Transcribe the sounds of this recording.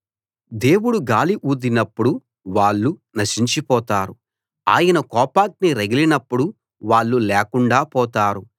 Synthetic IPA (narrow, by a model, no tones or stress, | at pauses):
d̪e̞ːwuɽuɡaːliʔuːd̪inɐpːuɽu | ʋaːɭːunɐʃiɲt͡ʃipɔːt̪aːɾu | a̰ːjɐnɐkɔːpaːk̚niɾɐɡilinɐpːuɽu | ʋaːɭːulɛːkuɳɖaːpɔːt̪aːɾu